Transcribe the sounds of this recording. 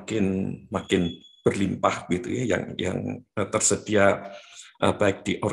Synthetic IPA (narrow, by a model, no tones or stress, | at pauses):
kɪnmakɪnb̥ərlimpahbɡit̪ujaja̰ŋja̰ŋət̪ərsəd̥ia | ʔə̰b̥aɪk̚d̥iʔoɾ